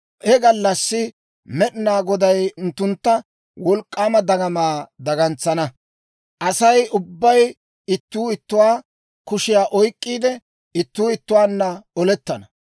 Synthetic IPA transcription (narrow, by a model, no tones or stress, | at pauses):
ʔɛɡɐlːɐsːɪ | mɛɗɪnaːɡɔd̪ɐjʊnt̪ːʊnt̪ːɐ | wɔlkʼːaːmɐd̪ɐɡɐmaːd̪ɐɡɐnt͡sːɐnɐ | ʔɐsɐjʊbːɐj | ɪt̪ːuːɪt̪ːʊwaː | kʊʃɪjaːʔɔjkʼːiːd̪ɛ | ɪt̪ːuːɪt̪ːʊwaːnːɐɔlɛt̪ːɐnɐ